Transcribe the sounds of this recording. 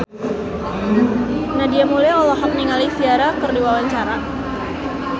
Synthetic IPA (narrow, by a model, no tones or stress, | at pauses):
nadiamulajɔlɔɦak̚niŋalisiaɾakərdiwawaɲt͡ʃaɾa